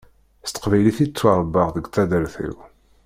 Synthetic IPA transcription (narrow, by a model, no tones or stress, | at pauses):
st̪ə̥qvæjliθit͡sːwaɾˤbːəʁðəɡʷθæd̪əɾθḭw